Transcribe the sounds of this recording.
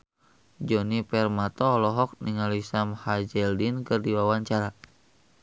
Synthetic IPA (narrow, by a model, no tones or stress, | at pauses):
d͡ʒɔnipɛrmat̪ɔːlɔɦɔk̚niŋalisamhad͡ʒɛldinkɨrdiwawaɲt͡ʃaɾa